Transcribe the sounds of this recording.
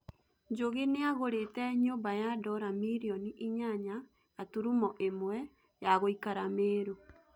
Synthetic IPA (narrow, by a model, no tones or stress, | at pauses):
ɲd͡ʒoɣeneaɣoɾetɛɲoːmbajadɔɾamiɾiɔniʔiɲaɲaː | tuɾumɔʔemwɛ | jaɣoikaɾameːɾo